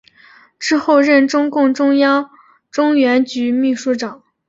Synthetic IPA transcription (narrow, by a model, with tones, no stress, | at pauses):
ʈ͡ʂɻ̩˥xo˥˧ʊɻə˥˩nʈ͡ʂʊ˥ŋkʊ˥˩ŋʈ͡ʂʊ˥ŋjɑ˥ŋ | ʈ͡ʂʊ˥ŋɥɛ˧˥nt͡ɕy˧˥mi˥˧ʂu˥˩ʈ͡ʂɑ˨˩˦ŋ